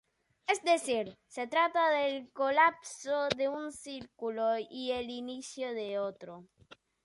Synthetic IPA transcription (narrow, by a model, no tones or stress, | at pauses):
ezd̪esiɾset̪ɾat̪aðelkolapsoðeunsiɾkuloielinisjoðeot̪ɾo